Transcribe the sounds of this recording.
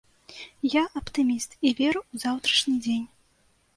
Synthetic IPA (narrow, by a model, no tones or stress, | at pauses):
jaʔɐpt̪ɨmʲist̪ivʲɛɾuuzawt̪ɾɐʂnʲid͡zʲenʲ